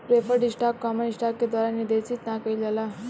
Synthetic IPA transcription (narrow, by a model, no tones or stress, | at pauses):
pɾepʰəɾɖisʈakːɔmənisʈakːed̪waɾaniɾd̪et͡ʃit̪nãkəilala